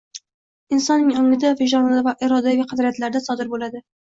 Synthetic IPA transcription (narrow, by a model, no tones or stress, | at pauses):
ɪnsɒnːɪŋɒŋlɪd̪avɪʒɒnɪlɪvaʔɪɾɒd̪aɡʲɪqʰɑd̪ɾijat̪laɾd̪asɒd̪ɪɾbolad̪ɪ